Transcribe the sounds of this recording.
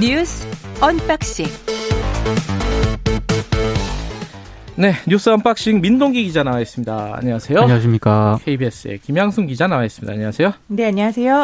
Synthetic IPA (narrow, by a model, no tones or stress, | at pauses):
ɲusʌnp͈ak̚ɕ͈iŋ | ne̞ɲus͈ɯʌnpak̚ɕ͈iŋmindoŋɡiɡid͡ʑanawaes͈ɯmɲidaa̰ɲawasʰe̞joɕimɲik͈akʰeibies͈ɯḛkimjaŋsʰuŋɡid͡ʑanawaes͈ɯmɲida̰ːɲawasʰe̞jone̞aɲasʰe̞jo